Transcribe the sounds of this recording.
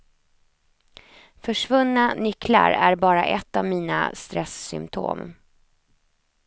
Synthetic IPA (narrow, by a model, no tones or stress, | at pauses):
fœʂvɵnːanʏkla̰ɾæɾbɑːɾa̰ʔɛt̪ːavmiːna̰st̪ɾɛsːʏmt̪ʰo̰ːm